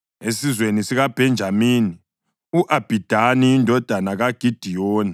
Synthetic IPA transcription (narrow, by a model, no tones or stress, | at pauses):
esizwenisiɣab̥ʱɛnd͡ʒʱamiːni | uʔab̥ʱid̥ʱaniːndʱɔd̥ʱanaɣaɡ̥ʱid̥ʱijɔːni